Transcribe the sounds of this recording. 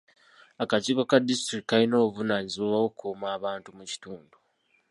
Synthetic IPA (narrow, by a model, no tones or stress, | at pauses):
akaciːko̞kadistɾikːalino̞ːuvunaːɲiziβowawokʰumaːβaːntumuci̥tuːndu